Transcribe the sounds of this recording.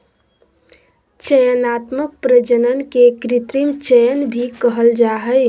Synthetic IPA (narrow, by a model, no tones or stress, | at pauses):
t͡ʃəjənat̪mək̚pɾəd͡ʒənənkekɾit̪ɾimt͡ʃəjənbʱikəɦəld͡ʒaɦəj